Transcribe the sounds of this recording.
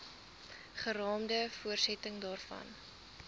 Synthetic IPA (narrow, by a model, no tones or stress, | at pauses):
χəɾɑːmdəfuərsɛtəŋdɑːrfɐ̰n